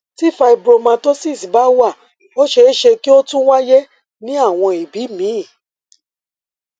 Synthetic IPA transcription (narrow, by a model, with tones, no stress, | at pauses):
ti˦˨fa˧i˨bɾo˧mã˧to˦si˦˨si˨ba˦wa˦˨ | o˦ʃe˧˦ʃe˧ki˦o˦tũ˦wa˦jɛ˦ | nĩ˦a˦˨w̃ɔ̃˧i˨bi˨˦mĩ˨˦˨